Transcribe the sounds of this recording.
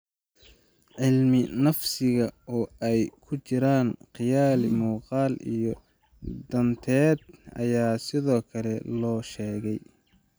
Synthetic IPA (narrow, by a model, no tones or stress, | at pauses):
ʕɪlmɪnɐfsɪɣɐɔːɛjkʰʊt͡ʃɪɾaːnqɪjaːlɪmuːqɑːlḭjɔ | d̪ɐnt̪ʰɛːd̪ɐ̰jaːsɪðɔːkʰɐlɛlɔːʃɛːɣɛj